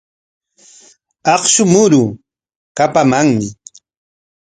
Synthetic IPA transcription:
ɑχʃʊmʊɾʊ | kapamaŋmɪ

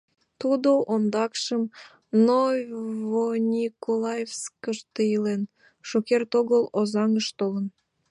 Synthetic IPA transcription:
t̪ud̪oʔond̪ɑkʃəm | novonʲikolˠɑjevskəʃt̪əjəlen | ʃokert̪oɣəlozɑŋəʃt̪olə̆n

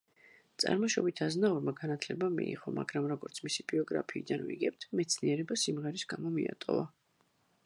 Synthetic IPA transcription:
t̪sʼa̰ɾmɔʃɔbit̪ʰaznauɾmaɡanat̪ʰlɛbamiḭʁɔmaɡɾamɾɔɡɔɾt̪sʰmisib̥iɔɡɾapʰiːd̪anvḭɡɛp̚t̪ʰmɛt̪sʰniɛɾɛbasimʁɛɾisɡamɔmia̰t̪ʼɔ̰va

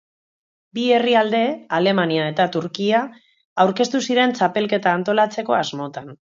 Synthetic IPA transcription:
bie̞riald̪e̞ale̞maniae̞t̪at̪uɾkia | awɾke̞st̪usiɾe̞nt͡ʃape̞lke̞t̪aːnt̪o̞lat͡se̞ko̞azmo̞t̪an

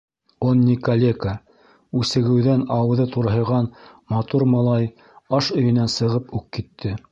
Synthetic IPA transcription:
onʲːikɐlʲeka | ʉsɘ̆ɡɘ̆wðænɑw̆ðɤt̪uɾɦɤ̆jʁɑnmɑt̪uɾmɑlˠɑj | ɑʃɵ̆jɘ̆nænsɤ̆ʁɤpʉkkit̪ʰːɘ

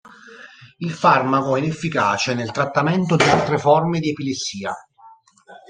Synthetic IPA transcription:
ilfarmakoɛinefːikaːt͡ʃenelt̪ɾat̪ːamɛnt̪od̪ialt̪ɾefɔrmed̪iepilesːiːa

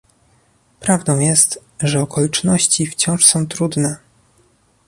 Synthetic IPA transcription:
pɾavd̪ɔ̃w̃jɛst̪ | ʐɛɔkɔlʲit͡ʂnɔɕt͡ɕift͡ɕɔ̃w̃ʂsɔ̃w̃t̪ɾud̪nɛ

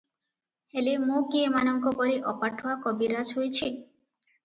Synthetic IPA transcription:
helemũkiemanɔŋkɔpɔɾiʔɔpaʈʰowakɔbiɾad͡ʒɦojt͡ʃʰi

